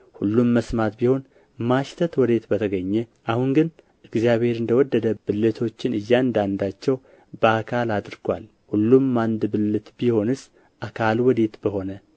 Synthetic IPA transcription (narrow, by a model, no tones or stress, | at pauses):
hulːumːəsmat̪biho̞n | maʃt̪ʰət̪wɔd̪e̞t̪bət̪ʰəɡəɲːɛʔahuŋɡɨn | ʔɨɡzjaβhe̞ɾɨnd̪əwɔd̪ːəd̪əbɨlːɨt̪ʰo̞t͡ʃːɪnɨjːand̪and̪at͡ʃːɛw | bəakʰalad̪ɾɡʷa̰l | hulːumːand̪bɨlːɨt̪biho̞nɨs | ʔakʰalwɔd̪e̞t̪bəho̞nə